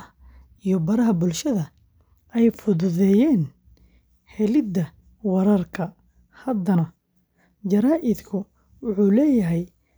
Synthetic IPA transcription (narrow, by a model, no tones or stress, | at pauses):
ʔijɞbɐɾɐɦɐbʊlʃɐðɐ | ɛjfʊðʊðɛːjɛːn | hɛlɪd̪ɐ | wɐɾɐrkʰɐ | hɐd̪ɐnɐ | d͡ʒɐɾaːʔɪd̪kʰʊ | wʊħuːlɛːjɐɦɛj